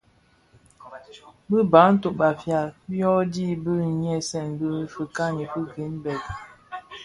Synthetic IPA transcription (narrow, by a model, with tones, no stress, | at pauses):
bə˦ba˨˦n̩˦to˨ʔɓa˨fja˨bjɔ˦di˦˨bə˦ɲ˦ɛ˦˨sɛ˦˨nbə˦fə˨ka˦ni˨pə˦ɡi˨˦nbɛ˨t̚